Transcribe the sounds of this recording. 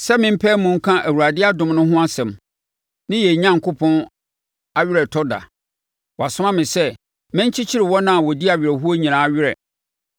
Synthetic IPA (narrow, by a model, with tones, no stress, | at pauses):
sɛ˦mɪ̃˦m̩˦pʰɛː˦mũ˨ŋ̩˦kʰã˦ʔæ˨wu˨ɾa˨dɪ˦a˦dʊ̃˨mnʊ̃˦ɦʊ̃˦a˦sɛ̃˨m | nɪ̃˦jɛ˨ɲã˦ŋ˨kʰʊ˦pʰɔ̃˦n | a˦ɥɪ˦ɾɛ˨tʰɔ˦da̰˨ | wɔ˨a˨sʊ˦mã˦mɪ̃˨sɛ˦ | mɪ̃˦ɲ̩˦t͡ɕʰi˦t͡ɕʰi˦ɾɪ˨wɔ̃˦nã˦˨wɔ˨di˦a˨ɥɪ˨ɾɛ˨ɦu˦o˦ɲĩ˨ɾã˨a˦˨ɥɪ˦ɾɛ̰˨